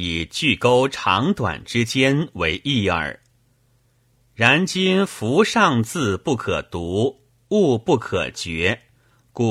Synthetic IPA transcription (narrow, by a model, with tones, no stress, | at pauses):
i˨˩t͡ɕy˥˩ko˥ʊʈ͡ʂʰɑ˧˥ŋt̪wa̰˨˩nʈ͡ʂɻ̩˥t͡ɕjɛ˥nwe˧˥ɪʔi˥˩ə̰˞˨˩˦ | ɻa˧˥nt͡ɕi˥nfu˧˥ʂɑ˥˧ŋt͡sɹ̩˥˧pu˥˩kʰɤ̰˨˩t̪u˧˥ | u˥˧pu˥˩kʰɤ̰˨˩t͡ɕɥɛ˧˥ | ku˧˩